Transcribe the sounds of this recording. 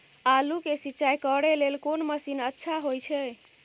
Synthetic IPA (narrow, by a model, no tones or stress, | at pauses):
alukesiːt͡ʃajkəɽelelkonməsinətːʃʰaɦojt͡ʃʰɛ